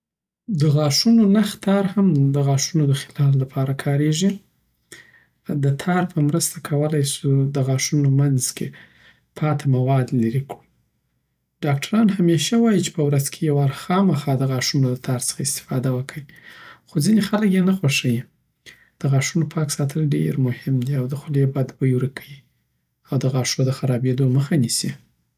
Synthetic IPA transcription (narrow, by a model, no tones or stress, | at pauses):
d̪əɣɑʂunonaxt̪ʰɑɾhamd̪əɣɑʂunod̪əxɪlɑflapʰɑɾakʰɑɾeʐi | d̪ət̪ʰɑɾpʰəmɾəst̪akʰawəlajsud̪əɣɑʂunomanzkʰe | pʰɑt̪ʰamawɑd̪laɾikɽu | ɖ̥ɑkʈʰaɾɑnhameʃawɑjit͡ʃe̥pəwɾazkʰejawaɾxɑmaxɑd̪əɣɑʂunolat̪ʰɑɾsə̥xaɪst̪ɪ̥fɑd̪awəkʰəwixozinexaləkjenaxwaʂəji | d̪̥əɣɑʂunopʰɑksɑt̪ʰəlɖḛɾmʊhɪmd̪iawd̪əxʊlebad̪bəjwɾəkʰəji | awd̪əɣɑʂod̪əxaɾɑbed̪oməxanisi